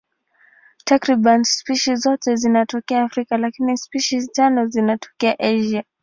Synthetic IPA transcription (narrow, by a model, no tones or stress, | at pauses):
takɾiɓanspiʃizɔtɛzinatɔkɛaːfɾikalakinispiʃiztanɔzinatɔ̥kɛaʔaʒa